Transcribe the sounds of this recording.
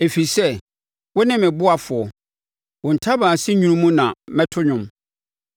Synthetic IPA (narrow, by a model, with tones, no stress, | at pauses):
e˨fi˨sɛ˦ | wɔ˦nɪ̃˦mɪ̃˨bʊ˦a˨fʊ˨ɔ˨ | wʊ̃˨n̩˨tʰa˦bãː˨sɪ˦ɲũ˦ũ˦mũ˦nã˨mɛ̃˦tʰʊ˦ɲʊ̃˨m